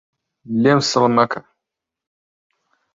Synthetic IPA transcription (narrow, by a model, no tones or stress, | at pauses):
lemsəlmakʰa